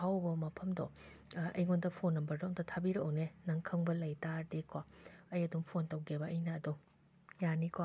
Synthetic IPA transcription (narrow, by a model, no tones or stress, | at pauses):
hawbɐmɐpʰɐmdɔ | ɐ̰jŋondɐpʰonːɐmbɐɾdoŋdɐtʰabiɾɐownenɐŋkʰɐŋbɐlɐjtaɾdekwaɐjɐdumpʰontɐwɡebɐːjnɐːdu | janikwa